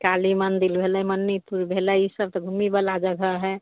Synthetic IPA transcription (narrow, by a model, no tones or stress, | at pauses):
kalimand̪ilbʱelɛmənːipuɾbʱelɛisəb̚t̪ɔɡʱumibəlad͡ʒəɡʱəɦɛ